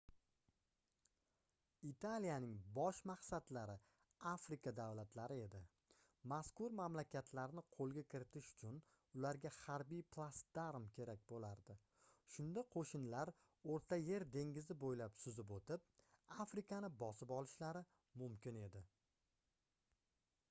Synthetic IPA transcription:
it̪ʰalijanɪŋbɒʃmaqsad̪laɾɪ | afɾɪkʰad̪awlat̪ʰlaɾɪe̞d̪ɪ | maskʊɾmamlakʲat̪ʰlaɾnɪqʰolˠɡʲakʲʰɪɾɪt̪ʰɪʃʊ̥t͡ʃʰʊn | ʊlaɾɡʲahaɾbijpʰlˠast̪d̪̥aɾmkʲʰe̞ɾak̚ʲbolaɾd̪ɪ | ʃʊnd̪aqʰoʃɪnlaɾ | oɾt̪ʰaje̞ɾd̪e̞ŋɡʲɪzɪbojlapsʊzɪp̬ot̪ʰɪp̚afɾɪkʰanɪbɒsɪpɒlˠɪʃlaɾɪ | mʊmkʲʰɪne̞d̪ɪ

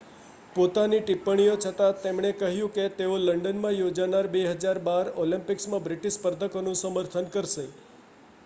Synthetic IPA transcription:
pot̪aniʈipːəɳ̃ijot͡ʃʰət̪at̪emɳ̃ekəɦjũket̪eoləɳɖənmãjod͡ʒanaɾbeɦəd͡ʒaɾbaɾolĩmpɪksmãbɾɪʈispəɾd̪ʱəkonũsəməɾt̪ʰənkəɾʃe

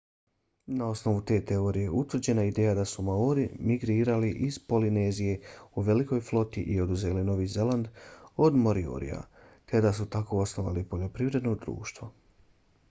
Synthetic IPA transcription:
nao̞sno̞ʋut̪e̞ːt̪eo̞ːɾije̞ʔut̪ʋr̩d͡ʑe̞naid̪eːjad̪asumaoɾimiɡɾiːɾaliʔiz̥po̞line̞ːzije̞uʋe̞liko̞jflˠo̞t̪iʔio̞d̪uzelino̞ʋiːze̞lˠand̪o̞d̪mo̞ɾio̰ɾḭja̰ | t̪e̞d̪asut̪ako̞osnoʋa̰lipoʎo̞pɾiʋɾe̞d̪no̞d̪ɾṵːʃt̪ʋo̞

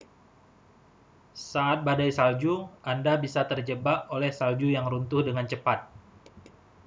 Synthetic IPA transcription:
saat̪̚badajsald͡ʒuʔandabisat̪ərd͡ʒəbapolɛhsald͡ʒujaŋɾunt̪ʊhdəŋant͡ʃəpat̪̚

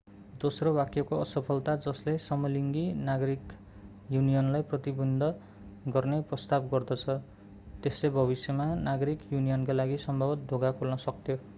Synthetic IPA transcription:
d̪osrowakjʌkoʌsʌpʰʌlt̪ad͡zʌslesʌmʌliŋɡinaɡʌɾik | junijʌnlajprʌt̪ibʌnd̪ʱʌ | ɡʌrneprʌst̪abɡʌrd̪ʌt͡sʰʌ | t̪eslebʱʌβisjʌmanaɡʌɾikjunijʌnkalaɡisʌmbʱʌbʌt̪̚d̪ʱoɡakʰolnʌsʌk̚t̪ʰjo

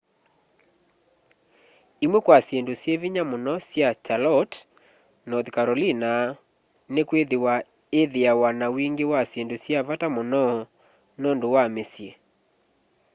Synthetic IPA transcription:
imwɛkwasjendosjeviɲamonɔsjat͡ʃalɔt | nɔðkaɾɔlina | nekweðewa | eðeawanawiŋɡewasjendosjavatamonɔ | nɔndowamesje

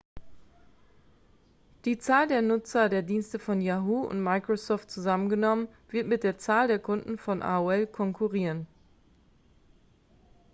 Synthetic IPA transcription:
d̥iːt͡saːldeːɐnʊt͡sɐdeːɐdiːnstəfɔnjaɦuːʊ̰ntmaɪkʁ̥osɔːft̚t͡suzamənɡənɔmən | v̥ɪɐtmɪt̚d̥eːɐt͡saːldeːɐkʰʊndn̩fɔnʔa̰uɛlkʰɔŋkʰuʁiːʁən

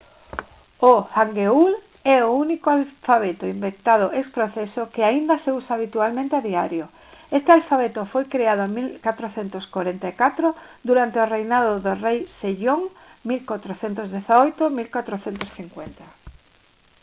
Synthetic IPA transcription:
oaŋɡeul | ɛounikoalfaβet̪oimbekt̪að̞ʊʔekspɾoθesokeaind̪aseusaaβ̞it̪ualmẽnt̪eaðiaɾjo | est̪ealfaβet̪ofojkɾeaðoamilkat̪ɾoθent̪oskaɾent̪aekat̪ɾo | d̪uɾant̪eorejnaðoðorejseʎoŋmilkat̪ɾoθent̪ozðeθaojt̪omilkwat̪ɾoθent̪osθiŋkwent̪a

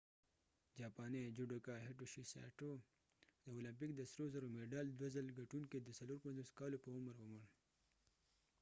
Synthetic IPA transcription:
d͡ʒɑːpɑːned͡ʒuɖokaɦeʈoʃisa̰ʈo | d̪əolamp̬ik̚d̪əsɾozaɾomeɖɑld̪wazəlɡaʈunked̪əsaloɾpanzoskɑlopəʊməɾʊməɳ

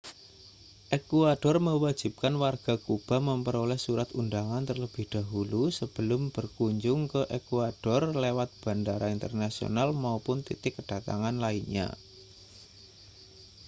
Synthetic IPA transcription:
ʔekuaɖ̥ɔrməwḁd͡ʒ̥i̤p̚kanwarɡ̥a̤kub̥a̤məmpəɾolɛhsuɾat̪undaŋant̪ərləb̥ɪhd̥a̤ɦulusəb̥əlʊmb̥ərkuɲd͡ʒʊŋkəʔekuaɖ̥ɔrlewat̪̚b̥a̤ndaɾaint̪ə̰rnasio̰nalmaupʊnt̪ḭt̪ɪkːəɖ̥a̤t̪a̰ŋanlainɲa̰

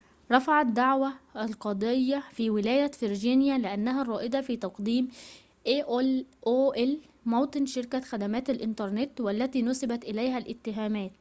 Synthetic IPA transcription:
ɾˤɑfɑʕɑd̪ːaʕwæʔlqɑd̪ˤejːɑfiːwɪlæːjæfɪɾd͡ʒiːnjælɪʔanːæɦærˤɑːʔɪd̪ɑfiːt̪ɑqd̪iːm | ʔeʔlʔoːʔl | mɑːt̪ˤɨnʃɪɾkæxæd̪æmæːt̪ælʔɪnt̪ɑɾˤnet̪wælːæt̪iːnʊsabæt̪ʔɪlæjɦælʔɪt̪ːɪɦæːmæːt̪̚

